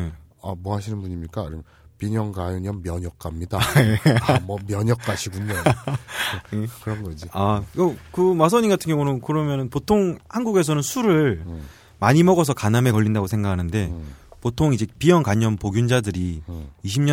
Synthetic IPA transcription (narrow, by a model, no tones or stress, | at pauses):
eamwʌɦhaɕʰinɯnbuɲimɲik͈aɾɯm | piɲʌŋɡajoɲʌmːjʌɲʌk͈̚amɲidaemʌmjʌɲʌkk͈aɕʰiɡuɲo | jekɯɾʌnɡʌd͡ʑiakʌkɯmas̬ʰʌɲinɡatʰɯŋjʌŋunokɯɾʌmjʌnɯnpotʰoŋhanɡuɡe̞sʰʌnɯnsʰuɾɯɭ | maɲimʌɡʌs̬ʰʌkaname̞kʌɭʎːindaɡosʰe̞ŋɡakʰanɯnde̞potʰoŋid͡ʑe̞pijʌnkaɲʌnpoɡjund͡ʑadɯɾiːɕʰimɲʌ